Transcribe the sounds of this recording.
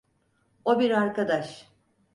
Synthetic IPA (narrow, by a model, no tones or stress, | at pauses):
o̞biɾaɾkad̪aʃ